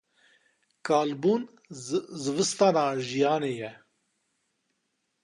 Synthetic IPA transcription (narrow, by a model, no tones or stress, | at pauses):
kaːlbuːn | zɨvɨst̪aːnaːʒijaːneːjɛ